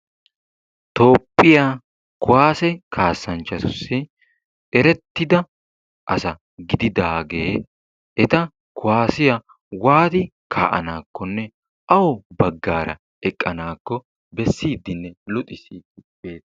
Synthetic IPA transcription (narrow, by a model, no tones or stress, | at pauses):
t̪o̞ːpʼːɪjaː | kʊwaːsɛkʰaːsːɐnt͡ʃːɐt̪ʊsːɪ | ʔɛɾɛt̪ːɪd̪ɐ | ʔɐsɐ | ɡɪd̪ɪd̪aːɡe̞ː | ʔɛt̪ɐ | kʊwaːsɪjɐ | waːt̪ɪkʰa̰ːʔɐ̰naːkːɔnːɛ | ʔɐwɔbɐɡːaːɾɐ̰ | ɛkʼːɐnaːkːɔ | bɛsːiːd̪ːɪnːɛlʊt̪ʼɪsiːd̪ɪbeːt̪